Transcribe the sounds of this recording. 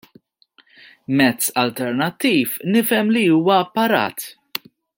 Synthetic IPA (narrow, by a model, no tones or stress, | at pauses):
mɛt͡sːɐlt̪ɛɾnɐt̪ːiːfnɪfɛmliuːwɐːpːɐɾɐ̰ːt̪